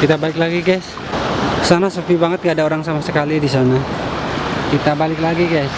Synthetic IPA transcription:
kit̪abalɪklaɡiɡas | kə̥sanasofibaŋət̪̚ŋaːdaoɾaŋsamasəkalidisana | kit̪abalɪklaɡiɡas

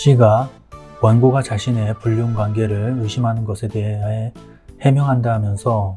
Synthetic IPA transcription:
ɕʰiɡa | kwanɡoɡat͡ɕaɕʰine̞puʎːonɡwaŋɡe̞ɾɯɭjuɕʰimɦanɯnɡʌsʰe̞de̞ɦae | he̞mjʌŋɦandaɦamjʌnsʰʌ

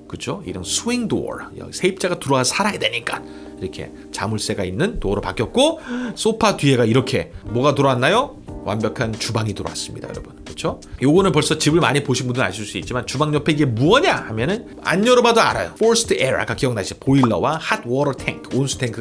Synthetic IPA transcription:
kɯt͡ɕʰoḭɾʌnsʰuwiŋdo̰ɾjʌ̰sʰeip̚t͡ɕ͈aɡatuɾʌasʰaɾajade̞ɲik͈a | iɾʌkʰe̞̰ | t͡ɕamuɭs͈e̞ɡainːɯntoʌɾoɭpak͈jʌt̚k͈os͈opʰatɥie̞ɡaiɾʌkʰe̞mʌɡatuɾʌanːajo | wa̰mbjʌkʰant͡ɕubaŋitoɾʌwa̰s͈ɯmɲidajʌɾʌbɯnkɯt͡ɕʰojoɡʌnɯnpʌɭs͈ʌt͡ɕibɯɭmaɲipoɕʰinmbundɯna̰ɕʰiɭs͈uit̚t͡ɕ͈imant͡ɕubaŋɲʌpʰeiɡe̞muʌɲahamjʌnɯn | a̰ɲːʌɾobadoa̰ɾa̰jo̰fʰoɾsʰtʰɯeɾa̰ɡakijʌŋnaɕʰipoiɭːʌwahatʰwʌɾʌtʰeŋkʰonsʰu̥tʰeŋkʰɯ

